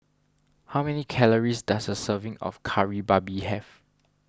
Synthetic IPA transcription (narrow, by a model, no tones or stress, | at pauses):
hawmɛnikʰɛləɹisdasdəsəvɪ̃ŋɔ̰fkʰaɹibabihɛv